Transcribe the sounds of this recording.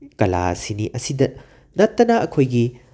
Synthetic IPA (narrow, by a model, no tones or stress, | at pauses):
kɐla̰siniʔɐsidɐ | nɐtːɐnaʔɐkʰojɡi